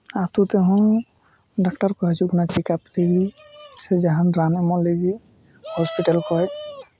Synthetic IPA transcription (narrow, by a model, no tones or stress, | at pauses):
at̪ũt̪eɦɔ̃ | ɖakʈaɾkɔɦɛt͡ʃʰukunat͡ʃikapleɡi | sɛd͡ʒaɦãnɾanɛmɔleɡi | hɔspiʈalkɔɛ